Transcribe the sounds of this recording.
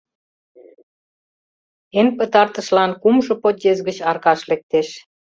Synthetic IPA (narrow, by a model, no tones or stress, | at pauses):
enpə̆t̪ɑrt̪əʃlɑnkumʒŏpot̪jezɡət͡ɕɑrkɑʃlek̚t̪eʃ